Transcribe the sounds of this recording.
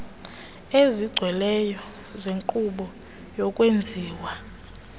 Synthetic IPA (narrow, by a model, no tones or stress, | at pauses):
eziɡ͡ǀʱwɛlɛjɔ | zeŋǃuɓɔ | jɔkʼwend͡zʱiːwa